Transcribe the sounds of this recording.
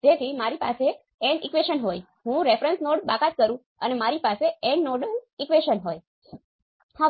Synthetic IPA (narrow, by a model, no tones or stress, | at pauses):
d͡ʒet̪ʰimaɾipa̰se | ɛɳɖikʋeʃənɦoj | ɦũɾefɾənsnoɽbakat̪̚kəɾũ | ənemaɾipaseɛɳnoɖəlikʋeʃənɦoj | ha